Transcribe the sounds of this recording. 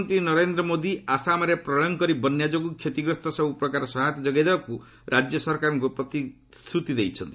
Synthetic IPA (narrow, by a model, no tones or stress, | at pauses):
nt̪ɾinɔɾend̪ɾɔmod̪iʔasamaɾepɾɔɭɔŋkɔɾibɔnjad͡ʒoɡukʰjet̪iɡɾɔst̪ɔsɔbupɾɔkaɾɔsɔɦat̪ɔd͡ʒɔɡajd̪ebaku | ɾad͡ʒjɔsɔɾkaɾɔŋkupɾɔt̪i | st̪ɾut̪id̪ejt͡ʃʰɔnt̪i